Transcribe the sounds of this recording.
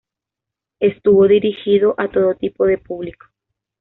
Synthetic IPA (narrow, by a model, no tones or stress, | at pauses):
est̪uβoðiɾixiðoʔat̪o̞ðot̪ipoðepuβliko̥